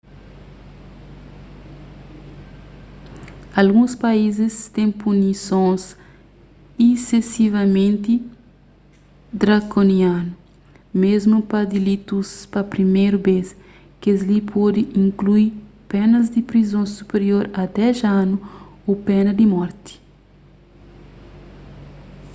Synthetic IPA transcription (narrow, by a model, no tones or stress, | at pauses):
ɐlɡũspaizɪst̪ẽŋpunisõs | isesivɐmẽnt̪i | d̪ɾakonianu | mezmupɐd̪ilit̪uspɐpɾimejɾubes | kezlipʰod̪iʔĩŋkluipɛnɐzd̪ipɾizõsupeɾjoɾɐd̪ɛʒanuopɛnɐd̪imɔɾt̪i̥